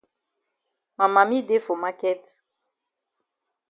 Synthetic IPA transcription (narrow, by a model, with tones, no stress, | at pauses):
ma˨ma˨mi˦de˦fo˨ma˦kɛ˦t